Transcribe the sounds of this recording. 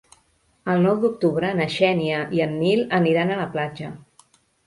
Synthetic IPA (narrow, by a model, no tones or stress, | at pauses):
əlˠnɔwd̪uk̚t̪uβɾəːnəʃɛniəʔiənːiləniɾanələplad͡ʒə